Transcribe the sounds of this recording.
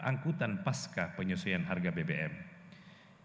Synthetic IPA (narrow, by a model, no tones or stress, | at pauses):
ʔa̰ŋkut̪anpaskapəɲusujanɦarɡabebeʔɛm